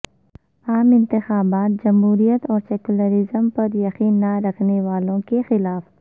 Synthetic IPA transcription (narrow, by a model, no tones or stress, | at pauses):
aːmɪ̃nt̪ɪxaːbaːt̪̚d͡ʒɐmɦuːɾijət̪ɔːɾseːkʊləɾɪzəmpɐɾjɐxiːnːaɾɐkʰneʋaːlõkexɪlaːf